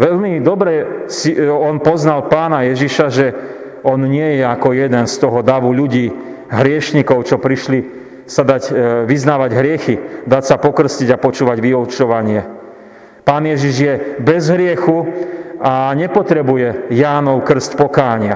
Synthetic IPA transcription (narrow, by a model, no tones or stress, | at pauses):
ʋɛʎmid̪ɔbɾɛsiɔnpɔznalpaːnajɛʒiʃaʒɛ | ɔnɲɪɛjɛakɔjɛd̪ɛnst̪ɔɦɔd̪aʋuʎuɟiː | ɦɾɪɛʃɲikɔʊt͡ʃɔpɾiʃli | sad̪aɟʋiznaːʋaɟɦɾɪɛxid̪acsapɔkr̩sciɟapɔt͡ʃuːʋaɟʋiɔt͡ʃɔʋaɲɪɛ | paːnjɛʒiʒjɛbɛzɦɾɪɛxuaɲɛpɔt̪ɾɛbujɛjaːnɔʊkr̩scpɔkaːɲɪa